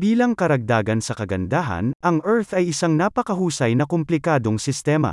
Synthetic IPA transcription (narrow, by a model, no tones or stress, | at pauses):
biːlɐŋkɐɾɐɡ̚d̪aːɡɐnsɐkɐɡɐnd̪aːɦɐ̰nʔɐŋʔɛɹθɐjɪsaŋnapɐkɐɦuːsɐjnɐkomplɪkaːd̪o̞ŋsɪst̪ɛːmɐ̰